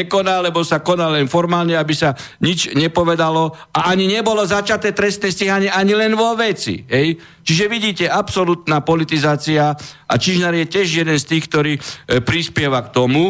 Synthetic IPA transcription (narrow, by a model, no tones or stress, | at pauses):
ɛkɔnaːlɛbɔsakɔnalɛnfɔɾmaːlɲɛabisa | ɲit͡ʃɲɛpɔʋɛd̪alɔ | aʔaɲiɲɛbɔlɔzat͡ʃat̪ɛːt̪ɾɛst̪nɛsciɦaɲɪɛʔaɲilɛnʋɔʋɛt͡sḭɦɛj | t͡ʃiʒɛʋiɟiːcɛapsɔlut̪naːpɔlit̪izaːt͡siaʔa̰t͡ʃiʒnaɾjɛcɪɛʒjɛd̪ɛnst̪iːxk̚t̪ɔɾiːpɾispɪɛʋakt̪ɔmu